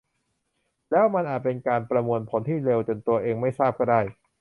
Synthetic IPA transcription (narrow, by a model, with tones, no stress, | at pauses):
lɛː˦˥wma˧nʔaː˨˩t̪̚pe˧nkaː˧npɾa˧mu˧ənpʰo˩˦nt̪ʰiː˥˩le˧wt͡ɕo˧nt̪u˧ɐʔeː˧ŋma˥˩jsaː˥˩p̚kɔː˥˩daː˥˩j